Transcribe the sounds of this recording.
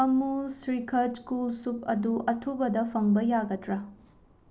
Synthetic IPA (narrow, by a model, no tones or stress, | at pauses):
ɐmusɾikʰɐskulsuk̚ɐ̰duʔɐtʰubɐdɐpʰɐŋbɐjaɡɐtɾɐ